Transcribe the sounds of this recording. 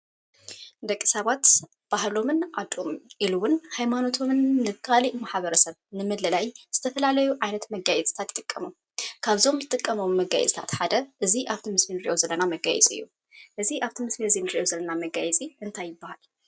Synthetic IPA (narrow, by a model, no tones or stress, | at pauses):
d̪ɐkʼːi̥saβat̪ | b̥ahlo̞mɨnʕad̪ʼomʔiluwʊnhajmano̞t̪ʰo̞mɨnːɨkʰaliʔmaħβɐɾɐsɐβnɨmɨd̪lɐlajz̥ɨt̪ʰɐfɐlalɐjuʕajnɐt̪mɐɡajɛt͡sʼt̪ʰat̪t̪ʼɨkʼːɐmu | kʰaβzo̞mzɨt̪ʼɨkʼːɐmomːɐɡa̰jɛ̰t͡sʼt̪ʰat̪ħad̪ɐʔɨziʔaβt̪ʰimɨslinɨɾiʔo̞zɐlːɐnamɐɡa̰jɛ̰t͡sʼiɨ̰jːu | ʔɨziʔaβt̪ʰimɨsliɨzinɨɾiʔozɐlːɐnamɐɡajɛt͡sʼiʔɨnt̪ʰajːɪbːahal